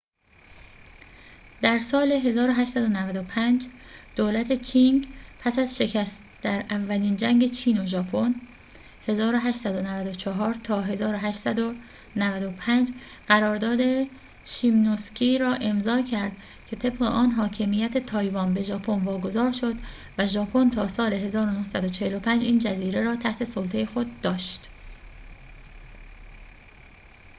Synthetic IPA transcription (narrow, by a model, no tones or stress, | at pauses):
d̪̥æɾsɒːle̞ɦe̞zɒːɾo̞ɦæʃtsæd̪o̞nævæd̪opʰænd͡ʒd̪̥oːlæt̪ʰe̞t͡ʃʰiŋpʰæsæzʃe̞cʰæst̪ | d̪̥æɾʔævːæliːnd͡ʒæŋɟe̞t͡ʃʰiːno̞ʒɒːpʰo̞n | he̞zɒːɾo̞ɦæʃt̪sæd̪o̞nævæd̪o̞t͡ʃʰɒɦɒːɾt̪ʰɒːɦe̞zɒːɾo̞ɦæʃt̪sæd̪o | nævæd̪o̞pʰænd͡ʒ | ɢ̥æɾɒːɾd̪ɒːd̪e̞ | ʃimnoscʰiːɾɒːʔe̞mzɒːcʰæɾd̪̥ | cʰe̞t̪ʰe̞bɢeʔɒːnɦɒːcʰe̞mijæt̪ʰe̞t̪ʰɒːjvɒːnbe̞ʒɒːpʰo̞nvɒːɡo̞zɒːɾʃo̞d̪ | væʒɒːpʰo̞nt̪ʰɒːsɒːle̞ɦe̞zɒːɾo̞nohsæd̪o̞t͡ʃʰe̞helo̞pʰænd͡ʒiːnd͡ʒæziːɾe̞ɾɒːt̪ʰæht̪ʰe̞solt̪ʰe̞jexo̞d̪ːɒːʃt̪